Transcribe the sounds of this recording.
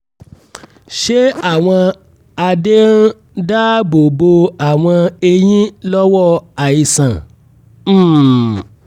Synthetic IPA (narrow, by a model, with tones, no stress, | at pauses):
ʃe˦a˦˨w̃ɔ̃˧ | a˧de˦ɾ̩˦ | da˦bo˨bo˧a˨w̃ɔ̃˧e˧j̃ĩ˦lɔ˦wɔ˦˨a˨i˨sã˨˦˨